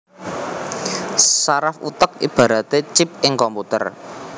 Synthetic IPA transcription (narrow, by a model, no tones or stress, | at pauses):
saɾafṵt̪ək̚ḭb̥a̤ɾa̤t̪et͡ʃɪp̚ɪŋkɔmput̪ə̰r